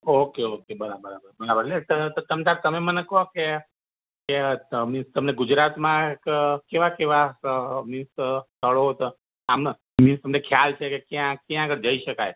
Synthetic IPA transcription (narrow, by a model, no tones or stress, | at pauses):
okeokebəɾabəɾabəɾbəɾabəɾnet̪ət̪t̪əmt̪aɾt̪əmemənekəɦoke | kemɪst̪əmneɡud͡ʒɾat̪mãkkeʋakeʋamɪnst̪t̪ʰəɭot̪o | amn | mɪnst̪əmnekʰjalt͡ʃʰekekjãkjãːɡəɾd͡ʒəiʃəkaj